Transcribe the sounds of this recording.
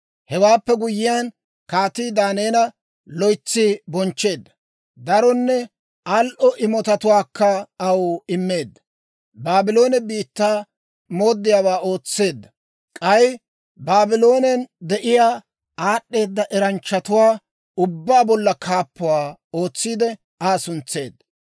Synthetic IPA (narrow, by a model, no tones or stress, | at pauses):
hɛwaːpːɛɡʊjɪjan | kaːt̪iːd̪aːneːnɐ | lɔjt͡sːɪbɔnt͡ʃːe̞ːd̪ːɐ̥ | d̪ɐɾɔnːɛ | alʔɔʔɪmɔt̪ɐt̪ʊwaːkːɐɐwɪmːe̞ːd̪ːɐ̥ | baːbɪlo̞ːnɛbiːt̪ːaː | mo̞ːd̪ːɪjaːwaːo̞ːt͡sːe̞ːd̪ːɐ | kʼɐj | baːbɪlo̞ːnɛnd̪ɛʔɪjaː | aːɗːe̞ːd̪ːɐʔɛɾɐnt͡ʃːɐt̪ʊwaː | ʊbːaːbɔlːɐkʰaːpːʊwaːo̞ːt͡sːiːd̪ɛ | aːsʊnt͡sːe̞ːd̪ːɐ̥